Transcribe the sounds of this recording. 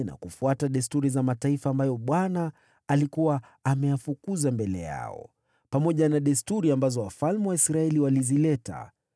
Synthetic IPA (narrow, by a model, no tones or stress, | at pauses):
na̰kufuataɗɛstuɾizamataifaːmbajɔɓwanaː | likuwaː | mɛjafukuzambɛlɛ̰ja̰ɔ̰ | pamɔʄanaɗɛstuɾiambazɔwafalmɛwaisɾaɛliwalizilɛta̰